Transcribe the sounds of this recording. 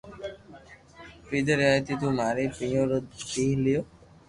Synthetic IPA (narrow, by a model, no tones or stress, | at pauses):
pɾid̪eɾeajt̪it̪̬umaɾepɾioɾdiɦlio